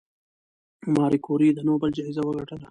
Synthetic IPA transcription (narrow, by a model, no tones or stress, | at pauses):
mɑːɾikoːɾid̪ənoːbəld͡ʒaizawəɡɐʈəla